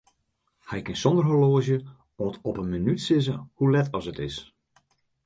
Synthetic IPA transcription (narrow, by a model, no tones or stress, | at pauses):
hɛjkɪnsɔndərɦoloəzjə | ɔːtɔpənmənytsɪzəhulɛtɔsətɪs